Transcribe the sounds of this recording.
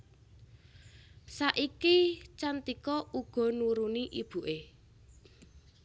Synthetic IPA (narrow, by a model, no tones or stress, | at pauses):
saʔikit͡ʃant̪ikɔuɡ̥ɔ̤nuɾuniʔib̥ṳʔe